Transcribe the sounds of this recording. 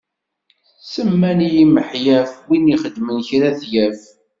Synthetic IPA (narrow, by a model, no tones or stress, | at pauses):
səmːænijiməħjæfwiniχəd̪mənçɾæθjæf